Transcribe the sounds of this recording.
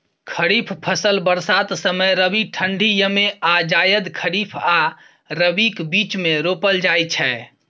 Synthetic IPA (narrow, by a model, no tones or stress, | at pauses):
kʰəɾipʰpʰəsəlbəɾsat̪səməjɾəbiʈʰəɳɖʱijəmead͡ʒajəd̪kʰəɾipʰa | ɾəbikbit͡ʃmeɾopəld͡ʒajt͡ʃʰɛ